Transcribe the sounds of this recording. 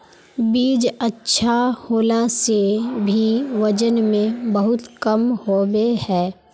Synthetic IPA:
biːd͡ʒətːʃʰahoːlasebʱiʋɐd͡ʒənmẽbɐɦʊt̪kɐmhoːbehɛː

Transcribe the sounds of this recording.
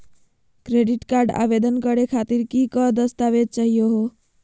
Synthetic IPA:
kɾeɖiʈkaɾɖa̰bed̪ənɡʌɾekʰat̪iɾkikʌd̪ʌst̪abed̪̚t͡ʃaɦijoɦo

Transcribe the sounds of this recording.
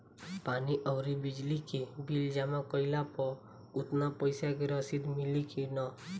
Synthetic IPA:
paːniʔəwɾibɪd͡ʒlikibild͡ʒamãkɔilapɔ | ʊt̪napəjsakeɾəsid̪milikinɔ

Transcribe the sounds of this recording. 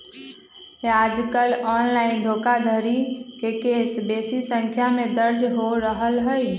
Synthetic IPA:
jad͡ʒkəlɔnlaːɪnd̪ʱoːkad̪ʱəɾikekeːsbesisə̃ŋkʰjamẽd̪əɾd͡ʒɦoɾəɦəlɦəj

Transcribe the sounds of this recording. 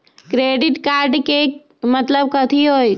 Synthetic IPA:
kɾeːɖɪʈkaːɾɖke | mət̪ləb̚kət̪ʰiɦoːj

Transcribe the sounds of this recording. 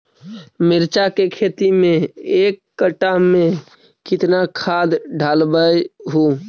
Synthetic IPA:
mɪɾt͡ʃakekʰet̪imẽekːəʈamẽ | kɪt̪nakʰad̪ɖʱalbəjɦu

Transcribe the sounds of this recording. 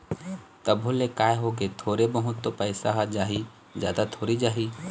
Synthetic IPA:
t̪ɐbʱʊlekaːeɦoːɡet̪ʰoːɾebəɦʊt̪ːopəɪsaɦad͡ʒaːɦi | zjaːd̪at̪ʰoːɾid͡ʒaːɦi

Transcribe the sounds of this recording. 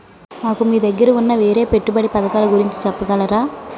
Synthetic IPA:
naːkɯmid̪ɐɡɪɾɯʊnːɐʋeːɾeːpɛʈːɯpɐɽipɐðɐkːaːlɐɡʊɾɪɲt͡ʃɯ̥t͡ʃɐpːɯɣɐːlɐɾaː

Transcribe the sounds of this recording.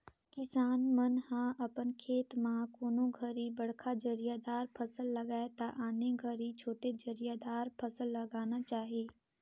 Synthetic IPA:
kɪsaːnmənhãːʔɐpənkʰeːt̪mãːkoːnõɡʱəɾibəɽkʰad͡ʒəɾijad̪aːɾpʰəsəlːəɡaːet̪aʔaːneɡʱəɾit͡ʃʰoːʈed͡ʒəɾijad̪aːɾpʰəsəlːəɡaːnat͡ʃaːɦieː

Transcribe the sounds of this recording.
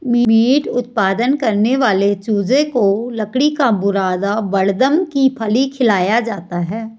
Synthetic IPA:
mimiːʈʊt̪̚paːd̪ənkɐɾneʋaːlet͡ʃuːd͡ʒẽkolɐkɽikabʊɾaːd̪aʋɐɽd̪əmkipʰɐlikʰɪlaːjad͡ʒaːt̪aɦɛː

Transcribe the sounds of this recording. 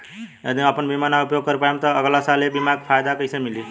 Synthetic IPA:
jəd̪iəpənbimanaupjoɡ̚kəɾpajemt̪ɔəɡlasalebimaɡpʰajd̪akəjsemili

